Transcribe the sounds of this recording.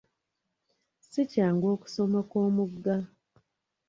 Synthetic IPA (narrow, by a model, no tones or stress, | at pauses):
sicaːŋɡo̞ːku̥so̞mako̞ːmuɡːa